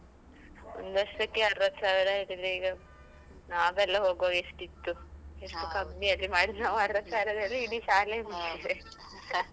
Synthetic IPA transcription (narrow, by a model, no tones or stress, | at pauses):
ond̪uʋɐʂɐɐkːeɐɾʋɐt̪ːsaːʋiɾɐeːʈid̪ɾeiːɡɐ | naːɡɛlːɐɦoːɡʋoaːɡeʂʈit̪ːueʂʈukɐmbiɐlːimaːɽinaːʋuɐɾʋɐt̪ːsaːʋiɾɐd̪ɐlːiiɽiʃaːlemiʈːid̪e